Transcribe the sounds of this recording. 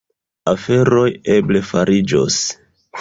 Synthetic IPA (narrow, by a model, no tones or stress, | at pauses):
afe̞ɾo̞je̞ble̞faɾʔid͡ʒo̰s